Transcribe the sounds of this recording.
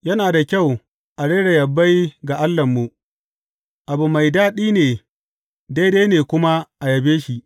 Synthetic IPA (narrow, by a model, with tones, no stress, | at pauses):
jɐ˦naː˨da˨kʲa˦˨w | ʔa˨ɽeː˦ɽe˨jɐ˨bːa˦jɡa˨ʔa˦lːɐ˨mːu˨ | ʔa˨bu˨ma˨jdaː˦ɗiː˦neː˨ | da˦jdeː˦neː˨kʷʊ˦ma˦ʔa˨jɐ˨beː˦ʃi˦˨ʔ